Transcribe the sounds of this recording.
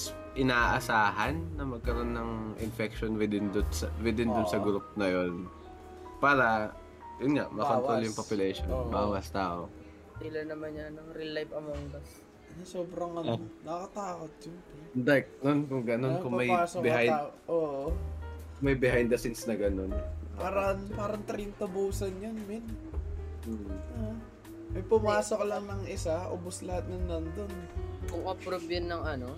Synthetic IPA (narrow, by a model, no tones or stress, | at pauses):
s | ʔɪnaːʔɐsaːɦɐnːɐmɐɡ̚kɐɾo̞nːɐŋʔɪ̰nfɛkʃonwɪd̪ɪnd̪ʊnsɐwɪd̪ɪnd̪ʊnsɐɡɾʊp̚nɐjo̞n | paːɾɐ | jʊnŋaʔmɐkot̪ɾoljʊŋpopjʊlɛʃonbaːwɐst̪aːʔo | ɪlɐnːɐmanːɐnɐŋɾɪlajbɐmɐŋɡɐs | nɐsoːbɾɐŋɐnnɐkɐt̪aːkot̪̚d͡ʒʊnpɛd̪ɐk̚nonkʊŋɡɐnonkʊŋpmɐjaːsokbɪhajaʔoːʔo | mɐjbɪhajnd̪ɐsɪnsnɐɡɐnonpaːɾɐnpaːɾɐŋt̪ɾint̪ɐbuːsɐnjonmɪn̩ː | ʔo | mɐjpʊmaːsoklɐŋnɐŋʔɪsaʔo̰boslɐhat̪̚nɐnːɐnd̪onkʊŋʔɐpɾobjɐnːɐŋɐno